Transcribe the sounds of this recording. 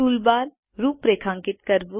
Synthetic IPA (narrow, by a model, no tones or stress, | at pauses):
uːlbaːɾ | ɾuːpɾeːkʰãːŋkɪt̪kɐɾbu